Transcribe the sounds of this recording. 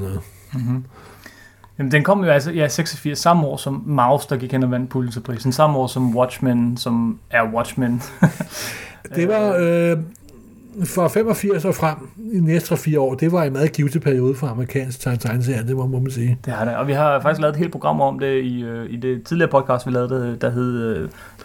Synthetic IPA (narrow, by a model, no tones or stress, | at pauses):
nɔð̩ˠ | jæmnd̥enkʰɒ̽m̰jo̝æls̬ɒiseɡ̥sɒfiɐ̰sːɑ̈m̩ɒ̰ːsɒ̽mːɑ̈ʊsd̥ɑ̈ɡ̥iɡ̥henɒʋæn̰d̥̚pʰuln̩sʰepʰʁḭːsn̩sɑ̈məɒ̰ːsɒ̽mwɒd̥ɕmænsɒ̽mæɐwɒ̥ɕmæn | e̝ɑ̈ | fɒfem̰ɒfiɐ̰sɒːfʁam̰inesd̥ɒfiːɐɒ̰ːd̥e̝ʋɑ̈e̝nmæːð̩ˠɡ̥iʊsəpʰæɐijo̝ːð̞ˠəfʁɑ̈ɑməʁikʰɛ̰ːnsɡ̥̚t͡sʰɑ̈ɪnsʰɑ̈ɪns̬eɐnd̥emmɔmænsiːd̥e̝hɑd̥eɒ̽ʋiɦɑ̈fɑ̈ɡ̥isɡ̥lɛːðˠe̥hḛl̥pʰo̝ɡ̥ɑ̈m̰ɒ̽md̥e̝iøid̥e̝t͡sʰiðˠliɐːpʰɒ̽d̥̚ˠkʰɑ̈ːsd̥ʋilɛːð̞̩ˠd̥ed̥ɑɦe̝ð̰ˠø